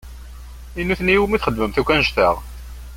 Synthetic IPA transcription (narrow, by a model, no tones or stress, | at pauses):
inːuθnijiwmiθχəd̪ːməmθukʷːænʃt̪əʁ